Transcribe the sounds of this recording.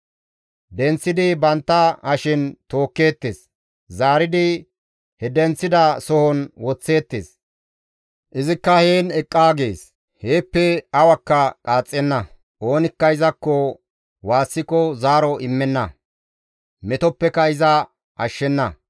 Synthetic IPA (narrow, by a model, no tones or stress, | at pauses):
d̪ɛnt͡sːɪd̪ɪbɐnt̪ːɐɐʃɪnt̪o̞ːkːe̞ːt̪ːeːs | zaːɾɪd̪ɪ | hɛd̪ɛnt͡sːɪd̪ɐsɔhɔnwɔt͡sːe̞ːt̪ːḛːs | ʔɪzɪkːɐheːnɛkʼːaːɡeːs | he̞ːpːɛɐwɐkːɐkʼaːt͡sʼːɛnːɐ | ʔo̞ːnɪkːɐɪzɐkːɔ | waːsːɪkɔzaːɾɔʔɪmːɛnːɐ | mɛt̪ɔpːɛkːɐɪzɐ | ʔɐʃːɛnːɐ